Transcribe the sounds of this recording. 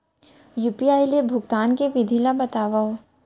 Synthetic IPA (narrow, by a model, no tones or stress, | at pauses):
juːpiaːjlebʱʊɡt̪aːnkeʋɪd̪ʱilabɐt̪aːʋao